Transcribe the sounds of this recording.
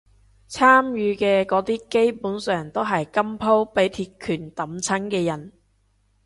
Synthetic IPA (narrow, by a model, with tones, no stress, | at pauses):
t͡sʰaː˥mjyː˨˧kɛː˧kɔː˨˥t̪iː˥ke˥jpuː˨˥nsœː˨ŋt̪o˥wɦɐ˨jkɐ˥mpʰo˥wpe˨˥jt̪ʰiː˧t̚kʰyː˨˩nt̪ɐ˨˥mt͡sʰɐ˥nkɛː˧jɐ˨˩n